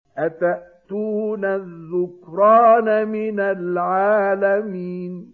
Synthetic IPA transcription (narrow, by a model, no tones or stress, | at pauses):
ʔat̪aʔt̪uːnaðːʊkɾɑːnamɪnalʕaːlamiːn